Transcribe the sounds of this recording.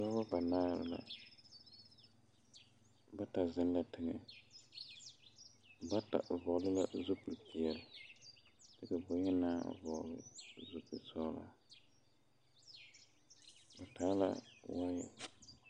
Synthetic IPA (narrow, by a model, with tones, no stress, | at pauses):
sɔ˦ba˦ba˨naː˦ɾɪ̰˨la̰˨ | ba˦ta˨zɪ˦n˦la˨tʰɪ˦ŋɛ˨ | ba˦ta̰˨vɔ˨lɪ˦la˦zu˦pu˨pi˨ɛ˨lɪ˨ | tɪ˦ka˨bʊ˨ɲɛ˦naː˦˨vɔ˨lɪ̰˦zu˦pu˨sɔː˦la̰˦ | ba˨ta˨˦la̰˦wa˦jɛ̰˨